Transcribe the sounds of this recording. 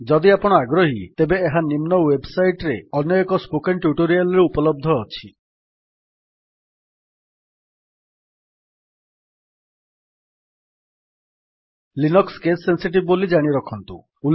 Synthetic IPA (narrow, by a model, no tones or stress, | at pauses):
d͡ʒɔd̪iapɔɽ̃ɔaɡɾɔɦit̪ebeːɦanimnɔwebsajʈɾeɔnjɔekɔspokenʈjuʈoɾialɔɾeupɔlɔb̚d̪ʱɔːt͡ʃʰi | linɔkskesːensiʈ̬ib̚bolid͡ʒaɽ̃iɾɔkʰɔnt̪ṵ | u